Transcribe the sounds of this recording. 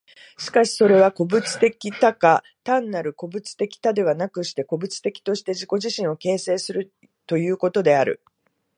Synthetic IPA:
ɕi̥kaɕi̥so̞ɾe̞β̞ako̞bɯ̟t͡sɨ̥t̪e̞kʲit̪aka | t̪ãnːaɾɯ̟ko̞bɯ̟t͡sɨ̥t̪e̞kʲi̥t̪ad̪e̞βanakɯ̟ɕi̥t̪e̞ko̞bɯ̟t͡sɨ̥t̪e̞kʲi̥t̪o̞ɕi̥t̪e̞ʑiko̞ʑiɕĩɰ̃o̞ke̞ːse̞ːsɨɾɯ̟ | t̪o̞jɯ̟ːko̞t̪o̞d̪e̞aɾɯ̟̰

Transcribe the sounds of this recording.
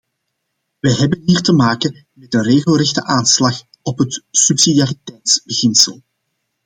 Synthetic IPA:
ʋɛjɦɛbənɦiːrtəmaːkə | mɛtənreːɣəlˠrɛxtəʔaːnslɑx | ɔpɦətsypsidijaːritɛjtsbəɣɪnsəlˠ

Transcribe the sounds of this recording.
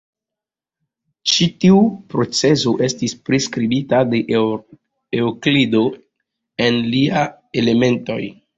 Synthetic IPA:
t͡ʃitiupɾo̞t͡se̞soʔe̞stispɾiskɾibitade̞ʔ | eoklido̞ | e̞nlia | ele̞me̞nto̞̰j

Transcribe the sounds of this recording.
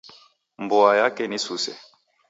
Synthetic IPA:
mbɔajakɛnisusɛ̰

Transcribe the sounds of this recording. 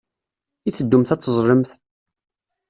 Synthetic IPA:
iθəd̪ːʊmθæt͡sːəzˤɾˤəmθ

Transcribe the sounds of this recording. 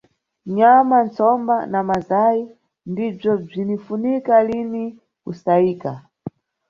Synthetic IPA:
ɲamant͡sɔmbanamazai | ndib͡ʐɔb͡ʐinifunikalini | kusaiːka

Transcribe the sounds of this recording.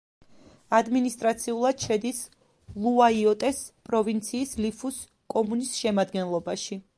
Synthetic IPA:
ad̪minist̪ʼɾat̪sʰiulˠad̪̥ʃɛd̪is | lˠuaiɔt̪ʼɛspʼɾɔvint̪sʰiːslipʰus | kʼɔmunisʃɛmad̪ɡɛnlˠɔbaʃi

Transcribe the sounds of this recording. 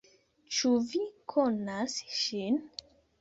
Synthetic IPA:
t͡ʃuvikʰonasʃin

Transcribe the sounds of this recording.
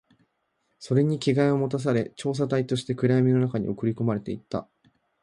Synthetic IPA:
so̞ɾe̞ɲ̟ikʲiɡaio̞mo̞t̪as̬aɾe̞t͡ɕo̞ːs̬at̪ait̪o̞ɕi̥t̪e̞kɯ̟ɾajamʲino̞nakaɲ̟ḭo̞kɯ̟ɾʲiko̞maɾe̞t̪e̞it̪ːa̰

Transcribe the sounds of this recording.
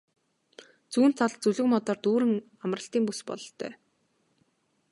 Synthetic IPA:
t͡suːnt͡sʰaɮt͡suɮɘ̆kmɔt̪ɔːrt̪uːɾɘ̆ŋ | amrə̆ɬt̪iːŋpuspɔ̰ɮ̆ɬt̪ʰœ̰ː

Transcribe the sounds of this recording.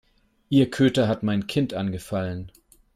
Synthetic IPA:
ʔiːɐkʰøːtɐɦatmaɪnkʰɪntʔanɡəfalən

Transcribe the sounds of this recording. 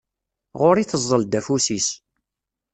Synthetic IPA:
ʁoɾiθəzˤːəld̪æfusis

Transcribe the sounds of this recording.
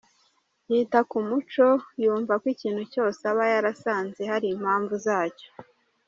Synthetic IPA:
hiːtakumut͡ʃo̞juːɱvakwiciːnhuco̞ːseaβajaɾasaːnze̞haɾiːm̥haːɱvuzaːco̥

